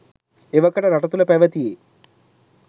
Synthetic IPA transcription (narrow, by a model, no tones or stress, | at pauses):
eʋɐkːɐʈɐɾɐʈɐt̪ulɐpeʋɐt̪ijeː